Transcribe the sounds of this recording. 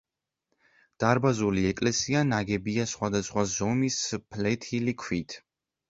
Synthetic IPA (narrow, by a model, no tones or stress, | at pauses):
d̪̥aɾbazuliɛkʼlɛsianaɡɛbiasχwad̪asχwazɔmispʰlɛt̪ʰilikʰwit̪ʰ